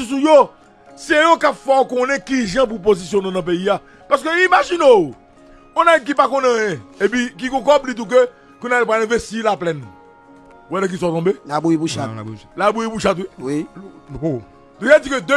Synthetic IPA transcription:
is̬ujo | siejokapfɔokõnɛ̃kiʒãp̬up̬ozis̬jõnõnɐ̃p̬eia | paskøimaʒino | õnãk̬ipakõnẽjɛ̃epĩk̬ikõkɔblit̪̬ũk̬ø | kũnadepaɛ̃vesilaplɛn | wɛnɛ̃k̬isɔtɔ̃belabuipuʃalabujipuʃat̪̬wiwi | d̪ũad͡zĩkød̪ø

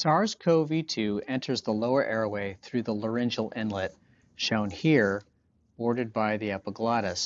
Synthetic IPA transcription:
sɑɹz̥kʰoʊvitʰʉɛ̃ntʰə˞zðəloʊə˞ʔɛɹweɪθɹʉðələ˞ɛ̃nd͡ʒl̩ˠɪ̃nlɪt̚ | ʃõʊ̃nhiɹ | b̥ɔɹɾɨd̚baɪðiɛpəɡlɑɾɨs

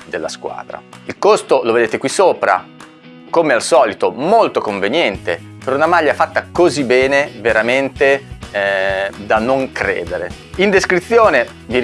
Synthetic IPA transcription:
d̪elːa̰skwa̰ːd̪ɾa̰ilkost̪oloved̪eːt̪ekwisːoːpɾa̰ | komealsɔːlit̪omolt̪okoɱvenjɛnt̪e | peɾunamaʎːafat̪ːakozibːɛːneveɾament̪e | d̪anoŋkɾḛːd̪eɾḛ | ind̪eskɾit̪sːjoːne | v

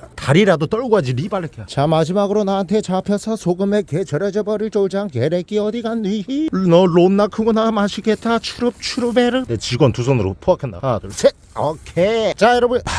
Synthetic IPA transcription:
taɾiɾadot͈ʌɭɡuɦad͡ʑiɾibaɾɯkʰeat͡ɕamad͡ʑimaɡɯɾonaɦːntʰe̞t͡ɕapʰjʌsʰʌsʰoɡɯme̞ket͡ɕʌɾed͡ʑebʌɾiɭt͡ɕoɭd͡ʑaŋkeɾek͈iʌdiɡanːiinʌɭonːakʰɯŋɡunamaɕʰiɡet͈at͡ɕʰuɾɯp̚t͡ɕʰuɾɯbeɾɯdet͡ɕiɡʌntusʰonɯɾo̰pʰoakʰenda̰atosʰe | ʌkʰet͡ɕajʌɾʌbɯn

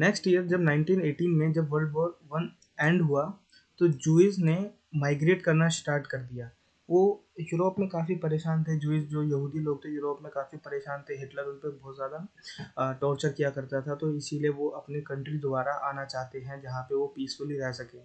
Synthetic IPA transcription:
nɛːksʈijəɾd͡ʒɐbnãːɪ̃ɳʈiːneːʈiːnmẽd͡ʒɐbʋəɾlɖʋoːʋɐn | ɛ̃ːɳɖɦua | t̪od͡ʒuːɪs̬ne | maːɪɡɾeːʈkɐɾnasʈaːɾʈkɐɾd̪ijaː | ʋoː | juːɾoːpmẽkaːfipɐɾeːʃaːnt̪ʰed͡ʒuːɪsd͡ʒoːjɐɦuːd̪iloːɡ̚t̪ʰejuːɾoːpmẽkaːfipɐɾeːʃaːnt̪ʰeɦɪʈləɾʊnpebɔːt̪zjaːd̪a | ʈɔːɾt͡ʃəɾkijakɐɾt̪at̪ʰat̪oɪsilieʋoʔɐpnekɐ̃ɳʈɾid̪ʊbaːɾaʔaːnat͡ʃaːɦt̪eɦɛ̃d͡ʒɐɦãpeʋopiːsfʊliɾɛɦsɐkẽː

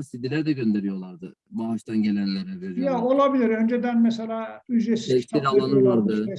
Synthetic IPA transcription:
sid̪ilʲæɾd̪ɛɟø̞nd̪e̞ɾijo̞lˠaɾd̪ɯ | baɦaʃt̪ʰanɟe̞lʲænlʲeɾɛveɾijaolˠabiliɾønd͡ʒed̪ænmɛselʲaːyzesɛst̪iɾalˠanɯvaɾd̪ɯ

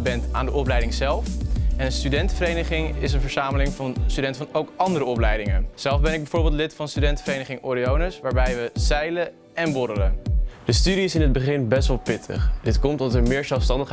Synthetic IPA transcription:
bɛnta̰ːndəʔɔplɛjdɪŋzɛlˠfɛnənstydɛntfəɾejnəχɪŋɪs̬ənvəɹz̥aːməlɪŋvɑnstydɛntfɑnowkɑndəɾəɔplɛjdɪŋəz̥ɛlˠfbɛnɪɡ̚bɛjv̥ʊːɹbɪlˠtlɪtfɑnstydɛntfəɾejnəχɪŋoɾiownəsʋaːɹbɛjʋəz̥ɛjlə | ɛnbɔɾələdəstydiɪsɪnɦəd̚bəχɪnbɛstʋɑlˠpɪtʰə̰χdɪtkɔmtɑtəɹmɪːɹzɛlˠfstɑndəχ

